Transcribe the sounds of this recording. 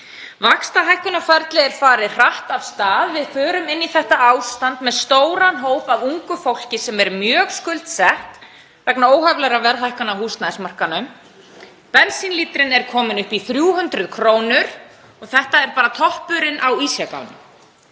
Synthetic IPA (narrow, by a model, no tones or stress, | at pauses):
vakst̪aɦajhkʏnafaɾt̪lɪɛɾ̥faːɾɪðr̥aht̪av̥st̪aːðvɪðfœːɾʏmɪnːiθɛht̪aaːwst̪ant̪mɛðst̪oːwɾanɦowpavuŋkʏfowl̥cɪsɛmɛɾmjœːɣskʏlt̪sɛht̪ | vɛknaoːwhavlɛɾavɛɾðajhkanawhuːst̪naɪsmar̥kanːʏm | pɛnsinliːt̪ɾɪnɛɾ̥kʰɔːmɪnʏhpiθɾjuːɦʏnt̪ɾʏðkʰɾoːwnʏɾ̥ | ɔɣθɛht̪aɛɾpaːɾat̪ʰɔhpʏɾɪnʔawisjaka̰wnʏm